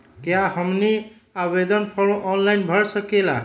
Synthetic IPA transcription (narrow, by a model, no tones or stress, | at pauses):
kjãhɔmni | abed̪ɔnpʰɔɭõʔɔnlajnbʱʌɹsʌkela